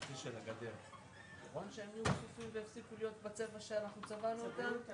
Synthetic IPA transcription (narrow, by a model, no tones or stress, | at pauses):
tiʃelaɡad̪eʁ | naχo̞nʃeemjuχsifimveefsikulijo̞t̪bet͡se̞vaʃeanaχnut͡savanuot̪am